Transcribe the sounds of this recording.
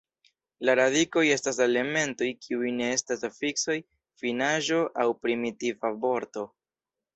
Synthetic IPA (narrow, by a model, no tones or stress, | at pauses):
laɾadiko̞je̞stase̞le̞me̞nto̞jkʰiujne̞estasafikso̞j | finaʒo̞ʔawpɾimitivabo̞ɾto̞